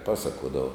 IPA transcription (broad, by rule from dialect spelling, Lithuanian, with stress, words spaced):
ˈpɑːsɐkuɔdɐʋoː